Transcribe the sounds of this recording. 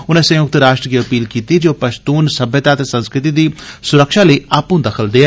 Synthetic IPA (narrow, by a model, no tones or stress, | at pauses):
ʊnẽːsɐ̃jʊk̚t̪ɾaːʃʈɾəkiɐpiːlkiːt̪id͡ʒoːpɐʃt̪uːnsəbjət̪at̪esə̃nskɾɪt̪id̪iːsʊɾəkʃaləiaːpũd̪ɐkʰəld̪eɛː